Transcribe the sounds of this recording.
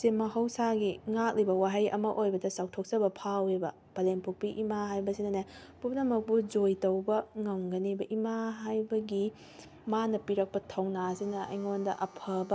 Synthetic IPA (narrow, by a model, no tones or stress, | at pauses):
semɐɦɐwsaɡiŋak̚libɐwaɦɐjɐ̰mɐʔojbɐdɐsaw̚tʰok̚sɐbɐpʰawebɐ | pɐlenpʰuk̚piʔimaɦajbɐsinɐnaj | pupnɐmɐk̚pud͡ʒojtɐwbɐŋɐwŋɡɐnebɐʔimaɦajbɐɡi | manɐpiɾɐk̚pɐtʰɐwnasinɐɐ̰jŋondɐʔɐpʰɐbɐ